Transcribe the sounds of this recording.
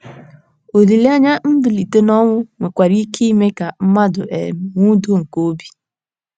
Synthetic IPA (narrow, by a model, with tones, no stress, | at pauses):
o˨li˨li˦a˦ɲa˦n̩˦dʊ˨li˨te˦nɔ˦ŋʷʊ˦ŋʷe˨kʷa˨ɾi˦ki˦me˦ka˨m̩˦ma˦dʊ˨ʔḛ˨m˨ŋʷu˦do˦ŋ̩˨ko˦bi˦